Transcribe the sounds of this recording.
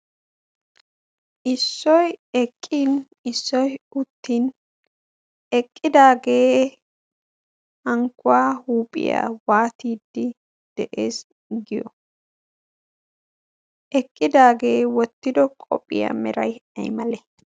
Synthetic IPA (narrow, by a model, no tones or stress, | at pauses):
ʔɪsːɔjɛkʼːiːn | ɪsːɔjʊt̪ːiːn | ɛkʼːɪd̪aːɡe̞ː | hɐŋkʊwaːhuːpʼɪ̰ja̰ːwaːt̪iːd̪ːɪ | d̪̥ɛʔeːs | ɡɪjɔ̰ | ʔɛkʼːɪd̪aːɡe̞ːwɔt̪ːɪd̪ɔkʼɔ̰pʼːɪ̰ja̰mɛɾɐjɐ̰jmɐlɛ